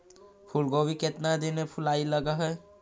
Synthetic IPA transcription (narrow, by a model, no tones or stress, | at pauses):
pʰulɡoːwiket̪nad̪enepʰʊlaːiləɡaɦɛː